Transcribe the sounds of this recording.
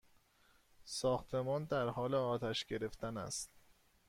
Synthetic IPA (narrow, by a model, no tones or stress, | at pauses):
sɒːxt̪ʰe̞mɒːnd̪æɾhɒːleɒːt̪ʰæʃɡe̞ɾe̞ft̪ʰænæ̰st̪̚